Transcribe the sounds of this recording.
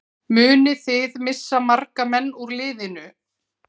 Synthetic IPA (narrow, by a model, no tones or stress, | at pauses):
mʏːnɪθɪðmɪsːamarkamɛnːuɾlɪːðɪnʏ